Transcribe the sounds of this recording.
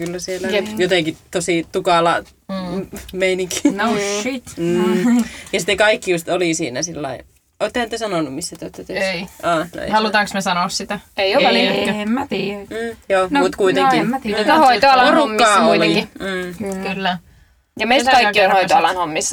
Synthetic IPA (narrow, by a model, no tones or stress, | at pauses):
kylːæsielːæejot̪eŋkit̪osiˑt̪ukɑˑlɑ | meiniŋkinoit̪̩ːjɑsi̥t̪ːekɑikːijust̪oliˑsḭːnæsilːɑ̰i | oˑet̪ːhnit̪ːesɑnonummisːæt̪yoˑt̪ːæt̪øʔɑːno̰ḛhɑlut̪ɑːˑŋksmesɑnoːˑssit̪æeioælmim̩ːjoːmut̪kuit̪eŋkihoit̪oɑlɑorumkːɑːoileiŋkim̩ːkylː | jɑmeist̪kɑiːionhoit̪oɑlɑnhomːis